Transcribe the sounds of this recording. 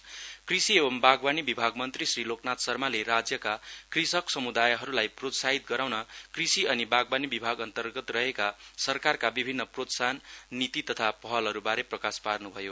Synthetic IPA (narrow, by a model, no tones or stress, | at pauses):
krisiebʌmbaɡbanibibʱaɡmʌnt̪risriloknat̪sʌrmaleɾad͡zjʌkakrisʌksʌmud̪ajɦʌɾulajprot̪saɦit̪̚ɡʌɾawnʌkrisiʌnibaɡbanibibʱaɡʌnt̪ʌrɡʌt̪rʌɦekasʌrkarkabibʱinːʌprot̪sanːit̪it̪ʌt̪ʰapʌɦʌlɦʌɾubaɾeprʌkasparnubʱʌjo